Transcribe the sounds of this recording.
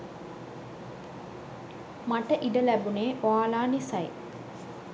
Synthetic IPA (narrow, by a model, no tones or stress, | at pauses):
maʈəʔiɖəlæbuneːʔoaːlaːnisɐj